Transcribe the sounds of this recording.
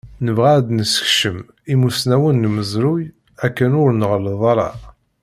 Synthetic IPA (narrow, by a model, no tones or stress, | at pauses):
nəvʁæd̪nəsə̥çʃəm | imusnæwənːəməzɾuj | ækːənʊɾnəʁləðˤɑɾˤɑ̰